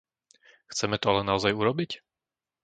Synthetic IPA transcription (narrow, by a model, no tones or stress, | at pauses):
xt͡sɛmɛt̪ɔalɛnaɔzajuɾɔbic